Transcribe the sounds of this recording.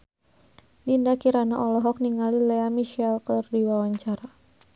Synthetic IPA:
lindakiɾanaʔɔlɔɦɔk̚niŋalilɛamiʃɛlkərdiwawaɲt͡ʃaɾa

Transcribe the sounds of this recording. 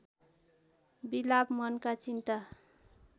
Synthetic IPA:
bilabmʌnkat͡sint̪a

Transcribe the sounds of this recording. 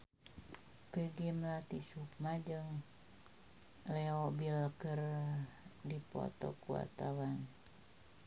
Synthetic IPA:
pəɡimlat̪isuk̚mad͡ʒɨŋ | lɛobilkər | dipɔ̰t̪ɔ̰kua̰t̪awan

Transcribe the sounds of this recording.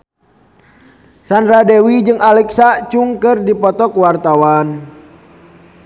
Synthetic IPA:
sandɾadɛwid͡ʒɨŋalɛksat͡ʃuŋkɨrdipɔt̪ɔkwart̪awan

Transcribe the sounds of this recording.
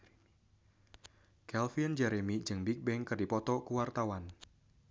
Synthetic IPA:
kɛlfiənd͡ʒɛɾemid͡ʒɨŋbik̚bɛŋkərdipɔt̪ɔkuwart̪awan

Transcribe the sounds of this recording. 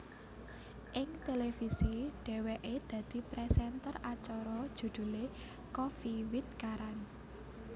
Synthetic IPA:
ʔɪŋt̪elefisiɖ̥ɛ̤wɛʔed̪̥ä̤d̪̥i̤pɾɛsɛnt̪ərat͡ʃɔɾɔd̥ʒ̥ṳd̪̥ṳle | kɔfiwit̪̚kaɾan

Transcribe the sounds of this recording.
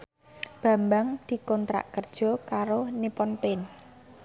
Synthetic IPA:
b̥a̤mbaŋd̪̥i̤kɔnt̪ɾa̰ʔkərd̥ʒ̥ɔ̤kaɾonipɔnpɪn

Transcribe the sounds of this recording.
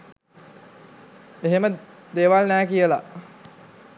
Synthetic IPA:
eɦeməd̪eːʋalnɛːkijəla̰

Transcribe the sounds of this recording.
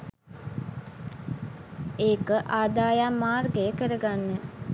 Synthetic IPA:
eːkəʔaːd̪aːjamːaːrɡejəkəɾəɡanːə

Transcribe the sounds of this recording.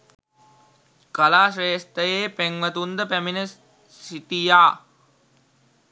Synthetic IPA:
kalaːʃɾeːst̪əjeːpeŋʋət̪und̪əpæminə | siʈijaː

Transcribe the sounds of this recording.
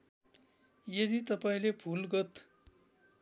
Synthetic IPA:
jed̪it̪ʌpaĩlebʰʱulɡʌt̪

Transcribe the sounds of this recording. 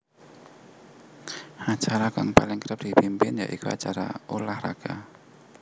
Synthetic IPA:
at͡ʃaɾakaŋpalɪŋkəɾəp̚d̥ibimpɪnja̰ʔikua̰t͡ʃaɾa̰ulahra̰ɡ̥a

